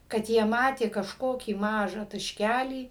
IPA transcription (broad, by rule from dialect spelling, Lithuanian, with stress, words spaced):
kɐt ˈjiɛ ˈmɑːtʲeː kɐʃˈkoːkʲiː ˈmɑːʒɑː tɐʃʲˈkʲælʲiː